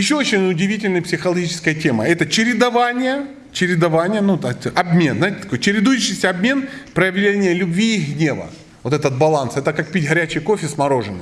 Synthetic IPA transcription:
jɪɕːoot͡ɕɪnʲʊdʲɪvʲitʲɪlʲnɨjpsʲɪxəlˠɐɡʲit͡ɕɪ̥skəjətʲe̞mə̰ɛt̪ət͡ɕɪɾʲɪd̪ɐvanʲɪjə | t͡ɕɪɾʲɪd̪ɐvanʲɪjənut̪ɐɐbmʲe̞nznajɪtʲɪt̪ɐkojt͡ɕɪɾʲɪd̪ujɪɕːɪsʲəɐbmʲe̞npɾəjɪvlʲenʲɪjəlʲʊbvʲiːxɡnʲe̞və̰ | vo̞t̪ɛt̪ət̪̚bɐlˠansɛt̪əkak̚pʲitʲɣɐɾʲæt͡ɕɪjkofʲɪsmɐɾo̞ʐɨnɨ

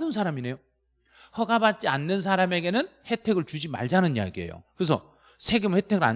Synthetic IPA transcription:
dɯns̬ʰaɾamine̞jo | hʌɡabat̚t͡ɕ͈ianːɯns̬ʰaɾame̞ɡe̞nɯnhe̞tʰe̞ɡɯɭt͡ɕud͡ʑima̰ɭd͡ʑanɯɲija̰ɡie̞̰jo̰kɯɾes̬ʰʌ̰ | sʰe̞ɡemhe̞tʰe̞ɡɯɭa̰

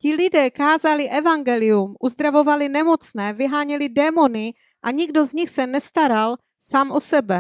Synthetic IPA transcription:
cɪlɪdɛːkaːzalɪʔɛvaŋɡɛlɪjumʔuzd̪ɾavo̞valɪnɛmo̞t͡snɛːvɪɦaːɲɛlɪdɛːmo̞nɪ | ʔaɲɪɡdo̞zɲɪxsɛnɛst̪aɾal | saːmʔosɛbɛ

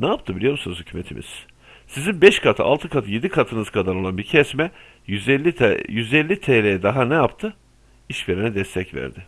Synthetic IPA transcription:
naap̚t̪ʰɯbilʲijoɾmusunuzhy̥cʰyme̞̰t̪ʰimʔḭz̥ | sizinbɛʃkʰat̪ʰɯa̰lˠt̪ʰɯkʰat̪ʰɯje̞d̪ikʰat̪ʰɯnɯzkʰad̪aɾo̞lˠanbiɾcʰɛsmɛ | jyzɛlʲːit̪ʰeːlʲejɛd̪aɦanɛjapt̪ʰɯ | iʃve̞ɾinɛd̪ɛst̪ʰɛcvæ̰ɾd̪ɪ

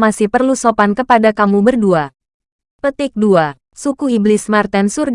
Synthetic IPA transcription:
masihpərlusopankəpadakamubərdua | pət̪ɪk̚dua | sukuiblɪsmart̪ansurɡ

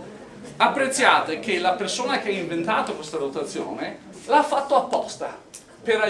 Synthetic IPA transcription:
apːɾet̪sːjaːt̪ek̟elapersoːnak̟eaiɱvent̪aːt̪okwest̪adot̪at̪sːjo̰ːne | lafːat̪ːoapːɔst̪a̰ | peɾa

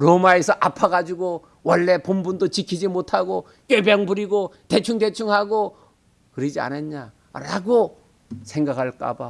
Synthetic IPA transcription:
ɾomaesʰʌʔapʰaɡad͡ʑiɡo | wʌɭːe̞pombundot͡ɕikʰid͡ʑimotʰaɡo | k͈jebjʌŋbuɾiɡote̞t͡ɕʰuŋdet͡ɕʰuŋɦaɡo | kɯɾid͡ʑia̰nenɲa | ɾa̰ɡo | sʰe̞ŋɡakʰaɭk͈a̰ba

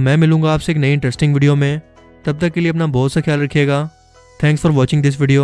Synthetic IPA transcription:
mɛ̃ːmɪlũːŋɡaːpseːknɐiɪ̃ɳʈɾɛsʈɪ̃ŋɡʋɪːɖijomẽ | t̪ɐb̚t̪ək̚kːelieɐpnabɔːt̪saxijaːlɾɐkʰieːɡaː | t̪ʰɛ̃ːŋksfɔɾʋɔːt͡ʃɪ̃ŋɡd̪ɪs̬ʋɪːɖijoː

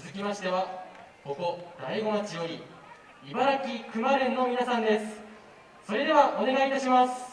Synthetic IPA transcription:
ɨzɨkʲimaɕi̥t̪e̞βako̞ko̞d̪aiɡo̞mat͡ɕijo̞ɾʲi | ibaɾakʲikɯ̟maɾɯ̃nːo̞mʲinasãnd̪e̞sɨ̥ | so̞ɾe̞d̪e̞βaʔo̞ne̞ɡait̪aɕimasɨ̥

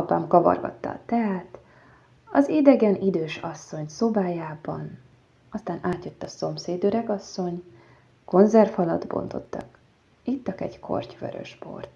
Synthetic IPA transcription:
ɒpa̰ːmkɒvɒ̰rɡɒ̰t̪ːɒ̰ːt̪ɛɦaːt̪ | ɒzid̪ɛɡɛnid̪øːʃɒsːo̞ɲso̞baːjaːbɒn | ɒst̪aːnaːt̪jøt̪ːɒso̞mseːd̪øɾɛɡɒsːo̞ɲ | ko̞nzɛrfɒlɒd̪bo̞̰nt̪o̞t̪ːɒ̰k | it̪ːɒkɛ̰ɟkʰo̞̰rcʋø̰ɾø̰ʃpo̞̰rt̪

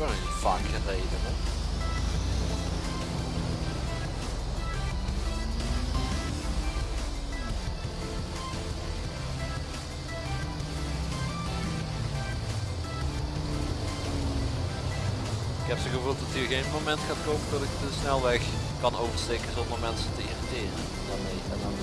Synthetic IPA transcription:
əə | vaːkərənejdənɛ | ɪkɦɛpsəɣəvuːlˠtdɑtyɣejnmomɛntxaːtkowməndʊtɪktəsnɛlˠʋɛx | kɑnowvəɹstejkənzɔndəɹmɛnsəntəḭritɪːrə

